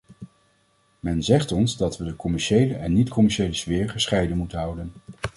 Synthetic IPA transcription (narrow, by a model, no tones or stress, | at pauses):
mɛnzɛχtɔnzdɑtʋədəkɔmɛɹʃejləʔɛnːitkɔmɛɹʃejləzʋɪːɹχəsχɛjdənmutənɦʌwdən